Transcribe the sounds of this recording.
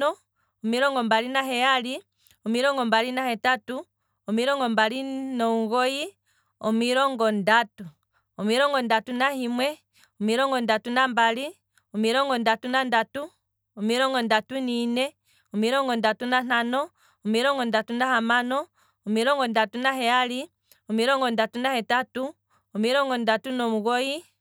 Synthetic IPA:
ɔ | ɔmiɾɔŋɡɔmbalinaɦɛjali | ɔmiɾɔŋɡɔmbalinahɛtatu | ɔmiɾɔŋɡɔmbalinɔŋɡɔji | ɔmiɾɔŋɡɔndatu | ɔmiɾɔŋɡɔndatunahimwɛ | ɔmiɾɔŋɡɔndatunambali | ɔmiɾɔŋɡɔndatunandatu | ɔmiɾɔŋɡɔndatuninɛ | ɔmiɾɔŋɡɔndatunan̥anɔː | miɾɔŋɡɔndatunahamanɔː | miɾɔŋɡɔndatunaɦɛali | ɔmiɾɔŋɡɔndatunahɛtatu | ɔmiɾɔŋɡɔndatunɔmuɣɔji

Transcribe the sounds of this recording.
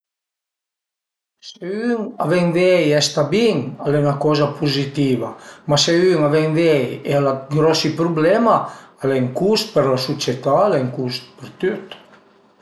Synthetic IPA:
seyŋa̰vɛŋvɛjɛst̪abiŋalɛnakɔzapʰuzit̪ivamaseyŋavɛŋvɛjḛalaɡɾɔsipɾublɛmaalɛŋkust̪̚pɛɾlasut͡sjet̪aːlɛŋkust̪̚pɛɾt̪yt̪

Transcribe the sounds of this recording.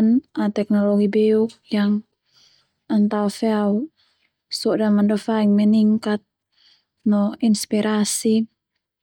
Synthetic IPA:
nat̪ɛknɔlɔɡibɛukjaŋ | ant̪aɔfɛau | sɔdamandɔfaiŋmɛniŋkat̪̚ | nɔinspiɾʔasi

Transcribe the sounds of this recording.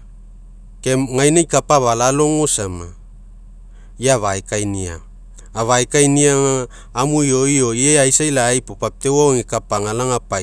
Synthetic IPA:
ke̞mŋajnajkapaβalalo̞ŋosama | jaβaekajnia̰ː | βajkajniaŋaː | mujo̞io̞jeajsajlajpopap̚te̞waoŋikapaŋalaŋapa

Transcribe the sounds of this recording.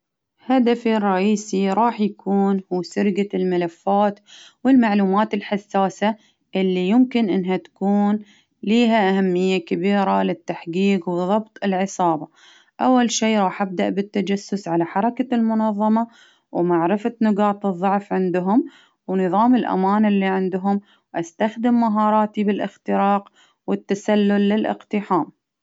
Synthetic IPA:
had̪afirˤːɑʔiːsiɾˤɑːħjakʰuːnhuːsʊɾɡalmalafːaːt̪wɪlmaʕluːmaːt̪ɪlħasːaːsa | ʔɪlːijʊmkɪnʔɪnːɦat̪ḁkuːn | liːɦaʔahamːɪjːakabiːɾalɪt̪ːaħɡiːqwɨðˤɑbt̪ˤɪlʕɨsˤɑːbɑ | ʔawːalʃiːɾˤɑːħʔabd̪aʔbɪt̪ːad͡ʒasːʊsʕalaħɑɾˤɑkalmʊnɑðˤːɑmɑ | wmaʕɾɪfanʊɡɑːt̪ˤɨðˤːʊʕfʕɪnd̪ɦʊm | wnɨðˤɑːmɪlʔa̰maːnɪlːiʕɪnd̪ʊɦʊm | ʔast̪axd̪ɪmːaɦɑːɾˤɑːt̪ibɪlʔɪxt̪ɪɾɑːq | wɪt̪ːasalːʊlːɪlʔɪ̰qt̪ɪħaːm

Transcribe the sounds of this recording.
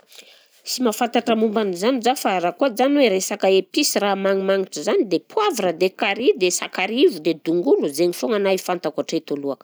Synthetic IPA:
simafant̪aʈ͡ʂəmumbanizanid͡ʒafaɾakoad͡ʒanweɾesakəepisiramaŋimaŋiʈ͡ʂəzanid̪epʰuavuɾəd̪ekaɾid̪esakaɾivud̪ed̪uŋɡuluzeɲifoŋanajifant̪akaʈ͡ʂet̪oluakə̥

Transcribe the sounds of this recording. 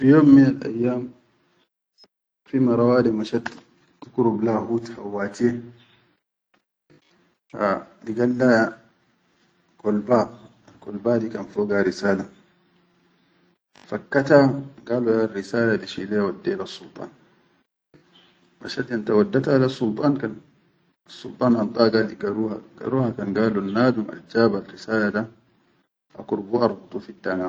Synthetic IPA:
fijoːmːinalʔa̰jːaːm | fimaɾˤawaːdɛmaʃat | tukuɾublahuːthawːaːtijɛ | a̰diɡalːa | kɔlba | kɔlbaːdikʼanfɔːɡaɾisaːla | fakːat̪aɡaːluarːisaːladiʃilɛwadːɛlasːult̪ˤɑ̰ːn | ma̰ʃadant̪awadːat̪alasːult̪ˤɑːnkan | ɑsːult̪ˤɑːnʔɑnt̪ˤɑːɡaliɡaɾuhaɡ̥a̰ɾuːhakanɡaːlunːaːd̪uma̰ld͡ʒaːbalɾisaːlada | ʔa̰kuɾbuʔɑɾˤbut̪ˤufitːanaː

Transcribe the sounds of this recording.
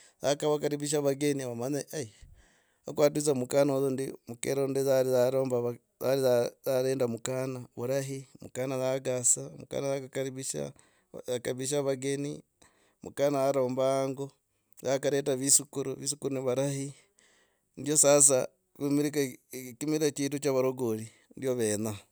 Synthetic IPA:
ðakaβakaɾiβiʃ̬aβaɡeniaβamaɲaai | okwaːtut͡samukaːnozondimukḛɾondezaɾiaɾoːmbaβ | aliaaɾeːndamukanaβuɾaɦimṵkanaðaɡasamuka̰ːnaakakaɾiβiʃa̰ | akaβiʃ̬aβaɡe̞ni | mṵkanaaɾo̞ːmbaːŋɡo | ðakaɾetaβisukuɾuβisukuɾuniβaɾahi | ndjo̞sas̬a | kimiɾikakimiɾakiːtut͡ʃaβaɾoɡoli | ndjoβeːna

